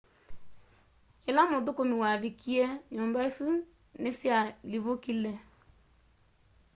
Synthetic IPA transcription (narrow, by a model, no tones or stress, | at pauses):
elamodokomiwaβikiɛɲɔːmbaesu | nesjaliβokilɛ